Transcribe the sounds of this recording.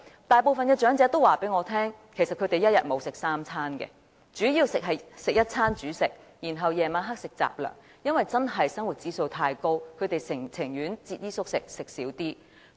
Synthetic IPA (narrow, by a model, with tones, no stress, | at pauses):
t̪aː˨˩jpo˨˧wfɐ˨nkɛː˧t͡ʃœː˨˥ŋt͡sɛː˨˥t̪o˥waː˨˩pe˨˥jŋɔː˨˧t̪ʰɛː˥ŋkʰsɐ˨t̚kʰɵ˨˧˥t̪e˨jɐ˥t̚jɐ̰˨t̚mo˨˧wsɪ˨k̚saː˥mt͡sʰaː˥nkɛ̰˧ | t͡ʃyː˨˥jiː˧wsɪ˨k̚ɦɐ˨jsɪ˨k̚jɐ˥t̚t͡sʰaː˥nt͡ʃyː˨˥sɪ˨k̚ | jiː˨˩nɦɐ˨wjɛː˨maː˨˥nɦa˥k̚sɪ˨k̚t͡sa̰ː˨p̚lœ̰ː˨˩ŋ | jɐ˥nwɐ˨jt͡sɐ˥nɦɐ˨jsɐ˥ŋwuː˨˩t̚t͡siː˨˥so˧wt̪ʰaː˧jko˥wkʰɵ˨˧ɥt̪e˨˩jɪ˨˩t͡sʰɪ˨˩ŋjyː˨˥nt͡siː˧t̚jiː˥sʊ˥k̚sɪ˨k̚sɪ˨k̚siː˨˥wt̪iː˥